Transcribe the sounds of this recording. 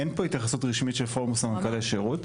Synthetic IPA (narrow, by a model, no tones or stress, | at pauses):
enpoitjaχasutʁiʃmitʃelfomusamakaleʃeʁut